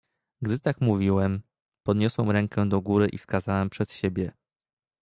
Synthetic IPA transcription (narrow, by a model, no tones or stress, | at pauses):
ɡd̪ɘt̪akmuvʲiwɛm | pɔd̪ɲɔswɛmɾɛŋkʰɛd̪ɔɡuɾɘʔifskazawɛmpʂɛt̪ɕebʲjɛ